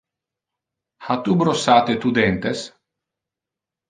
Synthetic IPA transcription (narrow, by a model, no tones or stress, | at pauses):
hat̪ubɾosat̪et̪ud̪ɛnt̪es